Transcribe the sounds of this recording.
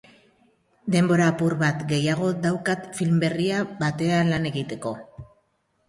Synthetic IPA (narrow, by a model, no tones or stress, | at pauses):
d̪e̞mbo̞ɾaːpuɾβat̪ɡe̞jaɣ̞o̞d̪awkat̪filmbe̞riaβat̪e̞anlane̞ɣit̪e̞ko̞